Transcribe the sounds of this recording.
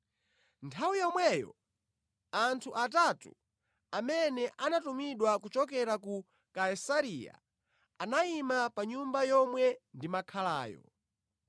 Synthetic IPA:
ntʰawijɔmwɛjɔ̰ | antʰuʔatatṵ | amɛnɛʔanatumiɗwakut͡ʃɔkɛɾaku | kaisaɾija̰ | anaimapaɲumbajɔmwɛndimakʰalaːjɔ̰

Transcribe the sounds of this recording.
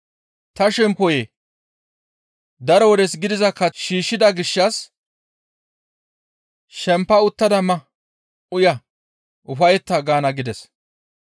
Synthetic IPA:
t̪ɐʃɛmpɔje | d̪ɐɾɔwɔd̪ɛsɡɪd̪ɪzɐkːɐʃiːʃːɪd̪ɐɡɪʃːɐs | ʃɛmpːɐʊt̪ːɐd̪ɐmɐ | ʔʊjɐ | ʔʊfɐjɛt̪ːɐɡaːnɐɡɪd̪ɛs

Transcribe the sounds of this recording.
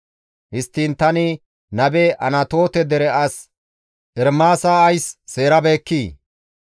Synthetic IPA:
hɪst̪ːiːnt̪ɐnɪ | nɐbɛʔɐnɐt̪o̞ːt̪ɛd̪ɛɾɛɐs | ʔɛɾmaːsaːɐjsːe̞ːɾɐbe̞ːkːiː

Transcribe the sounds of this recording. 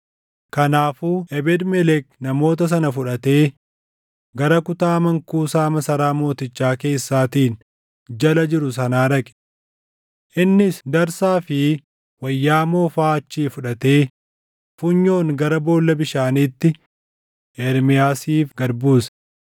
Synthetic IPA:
kɐnaːfuːʔɛbɛd̪mɛlɛknɐmo̞ːt̪ɐs̬ɐnɐfʊᶑɐt̪e̞ː | ɡɐɾɐkʊt̪aːmɐŋkuːsaːmɐsɐɾaːmo̞ːt̪ɪt͡ʃːaːke̞ːsːaːt̪iːn | d͡ʒɐlɐd͡ʒɪɾʊsɐnaːɾɐkʼɛ̥ | ʔɪnːɪsd̪ɐɾsaːfɪ | wɐjːaːmo̞ːfaːɐt͡ʃːiːfʊᶑɐt̪e̞ː | fʊɲːo̞ːŋɡɐɾɐbo̞ːlːɐbɪʃaːniːt̪ːɪ | ʔɛɾmɪjaːsiːfɡɐɾbuːsɐ̥

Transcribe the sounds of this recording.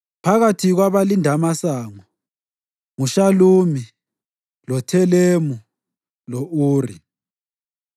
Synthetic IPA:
pʰaɣatʰiɣwaβalindʱamasaːŋɔ | ŋuʃaluːmi | lɔtʰɛlemu | lɔʔuːri

